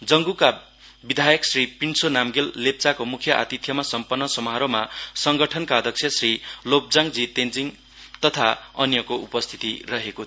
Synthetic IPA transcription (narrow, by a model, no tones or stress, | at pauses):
d͡zʌŋɡuka | bid̪ʱajʌksripinsonamɡelːep̚t͡sakomukʰjʌʔa̰t̪it̪ʰjʌmasʌmpʌnːʌsʌmʌɦʌɾomasʌŋɡʌʈʰʌnkaʌd̪ʱʌkt͡sʰjʌsrilop̚d͡zaŋd͡zit̪end͡ziŋ | t̪ʌt̪ʰaʌnjʌkoupʌst̪ʰi̥t̪irʌɦeko